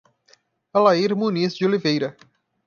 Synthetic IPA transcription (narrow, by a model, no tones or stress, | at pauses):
ɐlaiɾmũnizd͡ʒɪolivejɾɐ